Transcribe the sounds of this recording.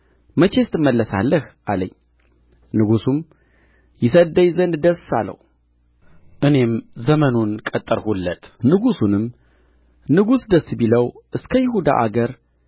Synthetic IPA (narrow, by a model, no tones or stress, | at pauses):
mət͡ʃe̞st̪ʰɨmːəlːəsa̰lːəhʔaləɲː | nɨɡusum | jɪsəd̪əjzənd̪d̪əsa̰lə̰hu | ʔɨne̞mzəmənonkʼət̪ʼːɨɾhulːət̪ʼnɨɡusunɨm | nɨɡusd̪əsbiləwʔɨskʰəjɪhud̪a̰ʔaɡəɾ